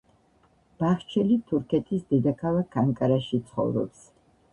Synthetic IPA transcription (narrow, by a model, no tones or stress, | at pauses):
b̥aχt͡ʃʰɛlit̪ʰuɾkʰɛt̪ʰisd̪ɛd̪akʰavakʰːaŋkʼaɾaʃit̪sʰχɔ̰vɾɔ̰ps